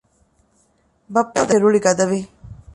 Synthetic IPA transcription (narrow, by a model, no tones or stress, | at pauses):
bɐpːɐd̪eɾuɭiɡɐd̪ɐʋi